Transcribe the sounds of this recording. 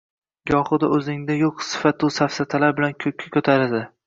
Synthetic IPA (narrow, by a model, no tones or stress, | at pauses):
ɡɒχɨd̪aʔɵzɪŋd̪ajoqsɪ̥fat̪ʊsafsat̪ʰalaɾbɪlankʰɵkʲʰːakʲɵt̪ʰaɾad̪ɪ